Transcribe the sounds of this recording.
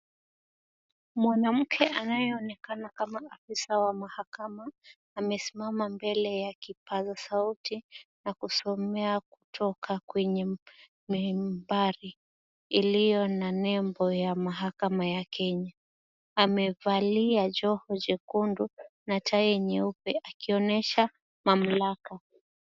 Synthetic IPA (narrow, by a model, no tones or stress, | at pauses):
mwanam̩kʰɛʔanajɛɔnɛkanakamaafisawamahakamaː | mɛsimamambɛlɛjakipazasautinakusɔmɛaku̥tʰɔkʰakwɛɲɛ | mimbaɾiː | lijɔnanɛmbɔjamaɦakamajakʰɛɲaː | mɛvaliad͡ʒɔhɔd͡ʒɛkundunatʰaɛɲɛupɛʔakiɔnɛʃa | mam̩laka